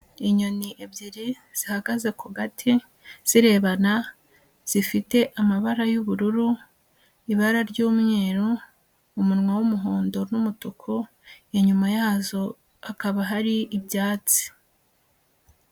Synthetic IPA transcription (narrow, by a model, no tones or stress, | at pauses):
iɲo̞niʔebɟiɾi | z̥ihaɡaze̞kuɡatʰi | z̥iɾe̞βana | z̥ifite̞ʔamaβaɾajuβuɾuɾu | iβaɾaɾɟuːmŋe̞ːɾoː | munŋwawumuɦoːndo̞numutukʰo | eɲumajaːzo̞ | akaβaɦaɾiibjaːt͡si̥